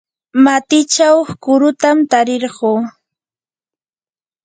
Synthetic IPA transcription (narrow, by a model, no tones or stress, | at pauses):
mat̪ɪt͡ʃawχkʊɾʊt̪amt̪aɾɪɾɢoː